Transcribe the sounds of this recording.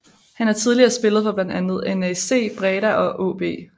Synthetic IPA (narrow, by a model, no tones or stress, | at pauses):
hænhæɐt͡sʰið̞ˠliɐːsb̥e̝lð̩ˠfɒ̽b̥læn̰d̥ænð̞̩ˠenese̝̰ːb̥ʁɛːɾæʔɒ̽ʔo̰ːb̥e̝̰ː